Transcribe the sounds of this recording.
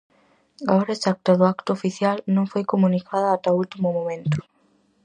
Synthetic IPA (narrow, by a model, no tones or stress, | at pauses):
aoɾaesak̚t̪aðʊakt̪ʊofiθjalnõŋfojkomũnikʰaðɐːt̪ault̪imʊmõmẽnt̪ʊ̥